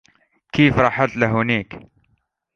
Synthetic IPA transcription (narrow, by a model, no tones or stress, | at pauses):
kiːfɾˤɑːħat̪laɦʊniːk